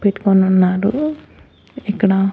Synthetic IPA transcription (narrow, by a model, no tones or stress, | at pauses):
peʈːu̥konunːaːɾu | ikːɐɽɐ